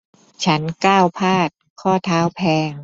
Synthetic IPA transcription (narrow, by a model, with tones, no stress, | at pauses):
t͡ɕʰa˦˥nkaː˥˩wpʰaː˥˩t̪̚kʰɔː˥˩t̪ʰaː˦˥wpʰɛː˧ŋ